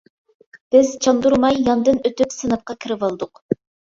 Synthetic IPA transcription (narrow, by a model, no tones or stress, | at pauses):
b̥ɪz̥t͡ʃʰɑnd̪uɾmɑjːɑnd̪ɨnøt̪ypsɨnɨp̚qɑkʲʰiɾɪvɑlˠd̪ʊq